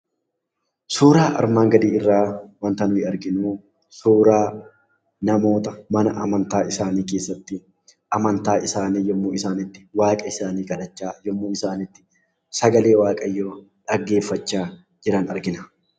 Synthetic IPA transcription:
suːɾaːʔɐ̰ɾmaːŋɡɐd̪iːɪrːaːwɐnt̪ɐnʊhɪɐɾɡɪnuː | suːɾaː | nɐmo̞ːt̪ɐmɐnɐʔɐmɐnt̪aːɪsaːniːke̞ːsːɐt̪ːɪ | ʔɐmɐnt̪aːʔɪsaːniːjɔmːuːɪsaːnɪt̪ːɪ̥waːkʼɐɪsaːniːkɐᶑɐt͡ʃːaːjɔmːuːɪsaːnɪt̪ːɪ̥ | sɐɡɐle̞ːwaːkʼɐjːoː | ᶑɐɡːe̞ːfːɐt͡ʃːaː | d͡ʒɪɾɐnɐɾɡɪnɐ

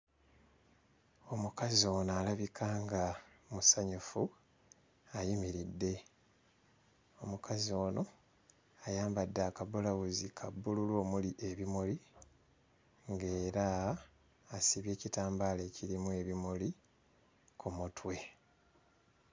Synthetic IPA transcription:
o̞mukazio̞ːnalaβikʰaːŋɡamusaɲufu | ajimiɾidːe̞ | o̞mukʰazio̞ːno̞ | ajaːmbadːakabulawuzikʰabːululo̞ːmuliʔe̞βimoli | ŋɡe̞ːɾaː | siβje̞ːcitaːmbale̞ciɾimuwe̞βimoli | kumutwe̞

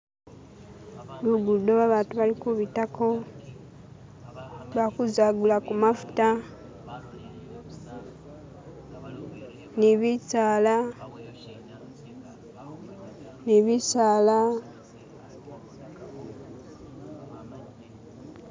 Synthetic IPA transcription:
βuɡudoβaβaːntuβalikuβitako̞ | βakuzaɡulakumafu̥ta | niβisaːla | niβisaːla

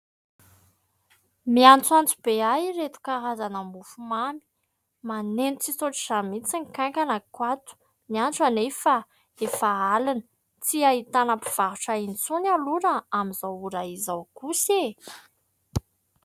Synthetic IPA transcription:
miant͡swant͡sub̥eajret̪u̥kaɦazanambufumami̥ | manenut͡sisoʈ͡ʂiz̥amit͡siŋkãŋkanakwat̪u̥ | miant͡sanefa | efaalanə | t͡siait̪anapiv̥aɾuʈ͡ʂaint͡sunaluɾəamizawuɾaizawkuse

